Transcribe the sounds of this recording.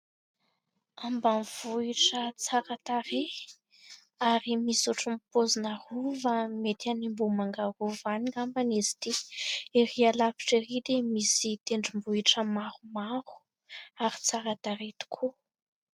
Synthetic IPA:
ambanvuiʈ͡ʂət͡saɾat̪aɾe | aɾimisuʈ͡ʂumpozinaruvamet̪animbumaŋɡaɾuvaniŋambanizi̥d̪iiɾialapi̥ʈ͡ʂiɾid̪emisit̪eɳɖ͡ʐimbuiʈ͡ʂəmahumaɾu̥ | aɾit͡saɾat̪aɾet̪i̥kʰu

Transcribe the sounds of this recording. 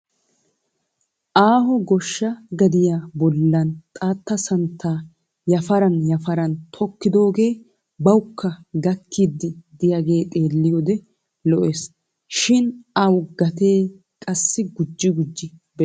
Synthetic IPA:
ʔaːɦɔɡɔʃːɐɡɐd̪ɪjaːbɔlːɐnt̪ʼaːt̪ːɐsɐnt̪ʰːaː | jɐfɐɾɐnjɐfɐɾɐnt̪ʰɔkːɪd̪o̞ːɡe̞ː | bɐwʊkːɐɡɐkʰːid̪ːɪd̪ɪjaɡe̞ːt̪ʼe̞ːlːɪjɔd̪ɛ | lɔʔeːs | ʃɪnɐwɡɐt̪e̞ː | kʼɐsːɪɡʊd͡ʒːɪɡʊd͡ʒːɪbɛ

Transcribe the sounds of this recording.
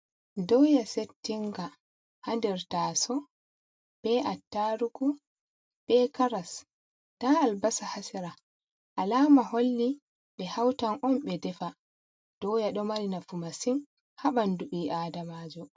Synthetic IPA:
dɔjasetːiŋɡa | handɛɾtaːsɔ | b̥ɛʔatːaɾuku | b̥ɛkaɾas | taalbasahasiɾa | ʔalaːmaholːi | ɓɛhawtanɔmɓɛdɛfa | d̥ɔjaɗɔmaɾinafumasin | haɓanduɓiːʔaːdamaːd͡ʒɔ

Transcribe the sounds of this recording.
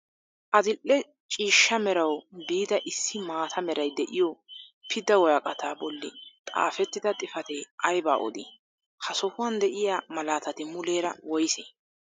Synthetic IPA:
ʔɐd̪ɪlʔːɛ | t͡ʃʼiːʃːɐmɛɾɐwbiːd̪ɐʔɪsːɪmaːt̪ʰɐmɛɾɐjd̪ɛʔɪjɔpʰɪd̪ɐwɔjɐkʼɐt̪ʰaːbɔlːɪ̰t̪ʼa̰ːfɛt̪ːɪd̪ɐt̪ʼɪfɐt̪eːʔɐjba̰ːʔɔ̰d̪ɪ̰ | hɐsɔhʊwɐnd̪ɛʔɪjaːmɐlaːt̪ɐt̪ɪmʊleːɾɐ̰wɔjseː

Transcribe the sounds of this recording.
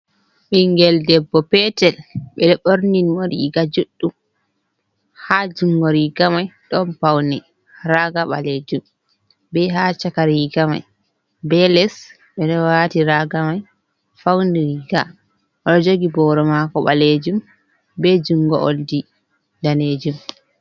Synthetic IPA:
ɓiŋɡɛldɛbːɔpɛtɛlɓɛɓoɾninwoɾiɡad͡ʒuɗːum | had͡ʒuŋɡɔɾiɡamajɗɔnpawnɛ | ɾaɡaɓaled͡ʒum | bɛɦat͡ʃakaɾiɡama̰j | bɛlɛs | ɓɛɗɔwatiɾaɡamaj | fawndiɾiɡa | ʔɔɗɔd͡ʒoɡibɔɾɔmakɔɓaled͡ʒum | bɛd͡ʒuŋɡɔʔoldi | daned͡ʒum

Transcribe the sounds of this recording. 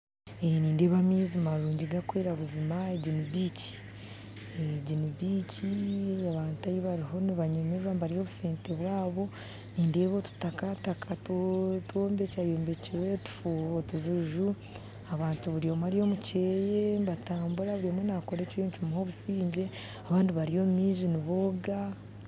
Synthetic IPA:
eniːndeβamiːzimmaɾuːɲɟiɡakwe̞ːɾaβuzimaeɟinibici̥ | eɟiniβiːciaβaːntajiβaɾiɦo̞niβaɲomeβambaɾijo̞βuseːnteβwaːβo̞ | niːnde̞ːβotu̥takatakʰattoːmbe̞cajoːmbe̞ciwetu̥fuːhotuzuʒu | aβaːntuβuɾijo̞maɾijo̞mucejembataːmbuɾaβuɾimonako̞ɾecijiːɲt͡ʃumuho̞βusiːɲɟe̞ | aβaːndiβaɾijo̞mumiːʒiniβoɡa

